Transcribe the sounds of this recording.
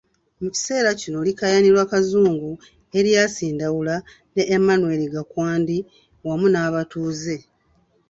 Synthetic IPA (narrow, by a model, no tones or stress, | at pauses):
muci̥se̞ːɾacino̞likajaniɾwaːkazuːŋɡu | e̞ɾjaːsiːndawula | ne̞ʔːmːanwe̞liɡakwaːndi | wamunaːβatuːze̞